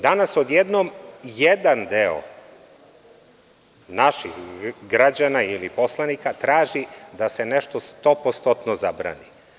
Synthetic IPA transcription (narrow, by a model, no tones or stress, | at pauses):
d̪anasod̪jed̪nomjed̪and̪eo̰ | naʃixɡɾad͡ʑanailipo̞slˠanikat̪ɾaːʒid̪ase̞neʃt̪ost̪o̞post̪ot̪nozabɾa̰ːni